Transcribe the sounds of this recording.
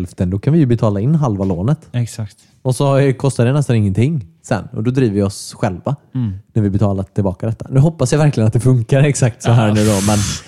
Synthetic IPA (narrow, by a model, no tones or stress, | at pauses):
lft̪ənd̪ɔkʰanvɪjɵbɛt̪ʰɑːlaɪnːɦalvaloːnət̪ɛksakt̪ | ɔsɔkʰɔst̪ad̪ɛnɛst̪anɪŋːənt̪ʰɪŋːsɛ̰nːɔ̰d̪ɔd̪ɾiːvəvɪɔsɧɛlvanæɾvɪbɛt̪ʰɑːlaʈʰɪlbɑːkad̪ɛt̪ːa̰nʉ̟ːɦɔpːasjavæɾklɪɡənat̪d̪ɛfɵŋkaɾɛksak̚t̪sɔɦæːɳʉ̟ːd̪ɔmɛn